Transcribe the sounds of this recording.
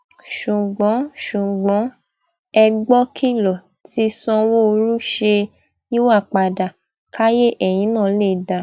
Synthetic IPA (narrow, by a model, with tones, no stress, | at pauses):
ʃu˨ɡ͡bɔ̃˨˦ʃu˨ɡ͡bɔ̃˨˦ | ɛ˧ɡ͡bɔ˦kʰi˦lɔ˨ | ti˧sɔ̃˧wo˦o˧ɾu˦ʃe˧ | i˦wa˦˨k͡pa˨da˨ | ka˦je˦ʔɛ˨j̃ĩ˨˦nãː˦˨˦le˦˨da˨